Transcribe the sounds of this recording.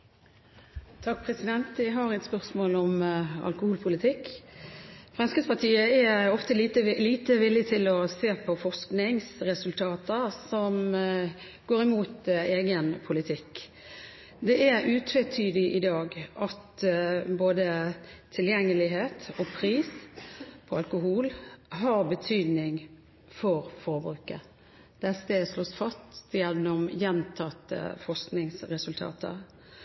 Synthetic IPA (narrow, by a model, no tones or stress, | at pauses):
t̪ʰɑk̚ːpʰʁɛsɪd̪ɛnt̪ʋɪɦɑɾɛt̪spœʁsmoːlɔmɑ̰lkʊhuːlpʰʊlɪt̪ʰɪkː | fʁɑnskəspɑʁt̪ʰiːəɛɔft̪ət̪əliːt̪əʋɪlɪt̪ʰɪlɔseːpʰɔfɔʁsknɪŋsʁɛsʉlt̪ʰɑːt̪əsɔm | ɡ̥oːɾɪmuːt̪eːɡənpʰʊlɪt̪ʰɪkː | d̪ɛʔæɾʉːt̪ʰʋɛt̪ʰyːd̪ɪʔɪd̪ɑːɡʔɑt̪boːd̪ət̪ʰɪljɛŋːəlɪɦeːt̪ɔpʰʁiːs | pʰɔɑlkʊɦuːlɦɑʁbət̪ʰyːd̪nɪŋ | fɔʁfɔɾbɾʉːkə̰ | d̪̥ɛsəsloːsfɑst̪jɛnːɔmjɛnt̪ʰɑt̪ːə̰fɔʁsknɪŋsʁɛsʉlt̪ʰɑ̰ːt̪ʰə̰ʁ